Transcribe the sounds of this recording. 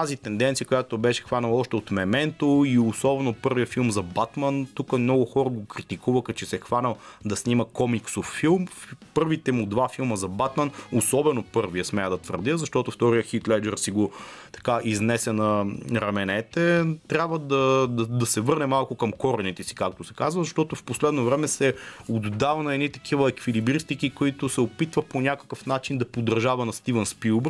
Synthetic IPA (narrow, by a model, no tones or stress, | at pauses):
t̪azit̪ɛnd̪ɛnt̪sijəkojat̪obɛʃɛ̥xvanɐlˠɔʃt̪ɛot̪mɛmɛnt̪oiosɔbɛnopɤɾvijəfilˠmzɐbat̪mənt̪ukəmnɔɡʊxɔɾəɡokɾit̪ikuvəxət͡ʃɛsɛxvanɐlˠd̪ɐsniməkɔmiksofːilˠmpɤɾvit̪ɛmud̪vafilˠməzɐbat̪mənosɔbɛnopɤɾvijəsmɛəd̪ɐt̪və̰ɾd̪ʲəzɐʃt̪ɔt̪ʊft̪ɔɾijəxit̪lɛd͡ʒɛɾsiɡot̪ɐ̥kaʔiznɛsʲənɐɾɐmɛnɛt̪ɛt̪ɾʲjabvəd̪ɐd̪d̪ɐsɛvɤɾnɛmalˠkʊkɐmkɔɾɛnit̪ɛsi̥kak̚t̪osɛ̥kazvəzɐʃt̪ɔt̪ʊfposlɛd̪novɾɛmɛsɛod̪d̪avɐnɐɛd̪nit̪ɐ̥kʰivəɛkvilibɾist̪ikikoit̪ʊsɛopit̪vəponʲakɐ̥kəfnat͡ʃind̪ɐpod̪ːɐɾʒavɐnɐst̪ivɛnspilˠb